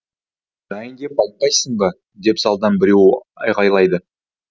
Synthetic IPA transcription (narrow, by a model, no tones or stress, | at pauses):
ʒ̥ɑjəŋɡ̪ʲe̞p̚ɑjt̪̚pɑjsəɴb̪ɑ | d̪e̞pzɑlˠd̪ɑnbɪɾe̞w | ɑ̰jqɑjlˠɑjd̪ə